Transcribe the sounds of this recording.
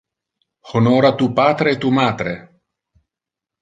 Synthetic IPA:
honoːɾat̪uːpaːt̪ɾeːt̪ːuːmaːt̪ɾe

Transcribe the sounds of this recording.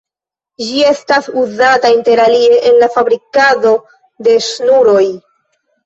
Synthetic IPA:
d͡ʒie̞stasuzatainte̞ɾalie̞ʔenlafabɾikado̞ | de̞snuɾo̞j

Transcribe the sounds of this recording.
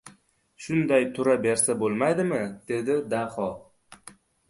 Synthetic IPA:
ʃʊnd̪ajt̪ʰʊɾabe̞ɾsabolˠmajd̪ɪmɪd̪̥e̞d̪ɪd̪aχɒ

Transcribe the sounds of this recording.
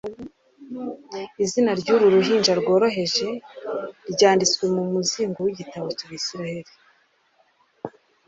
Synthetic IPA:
izinaɾɟuɾuɾuɦiːnd͡ʒaɾɡo̞ːɾo̞ɦe̞ʒe̞ | ɾɟaːndit͡swe̞mumuziːŋɡowiɟitaβo̞caːβisiɾahe̞ɾi

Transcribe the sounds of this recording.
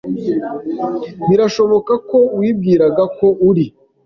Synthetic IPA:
βiɾaʃo̞βo̞kako̞wiːb̚ɡiːɾaɡakoʔuɾi

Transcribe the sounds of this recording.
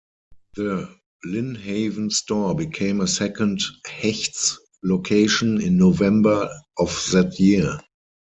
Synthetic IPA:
ðə | lɪ̃nheɪvə̃n̩stɔːbikʰẽɪ̃məsɛkʰə̃nthɛçts | lokʰeɪʃə̃nɪ̃nːovɛ̃mbə˞ʔɔfðætʰjiə

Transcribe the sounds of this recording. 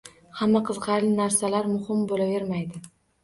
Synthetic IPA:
hamːaqʰɨzqɑɾlɪnaɾsalaɾmʊhɪmbolave̞ɾmajd̪ɪ

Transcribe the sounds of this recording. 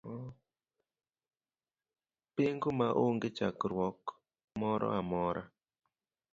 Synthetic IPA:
peŋɡomaʔoŋɡɪt͡ʃakɾwɔk | mɔɾɔ̰amɔɾʔa

